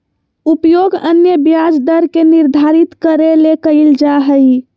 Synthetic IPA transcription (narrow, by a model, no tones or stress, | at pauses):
upjoɡənjəbjad͡ʒd̪əɾkeniɾd̪ʱaɾit̪kəɾelekəɪld͡ʒaɦəj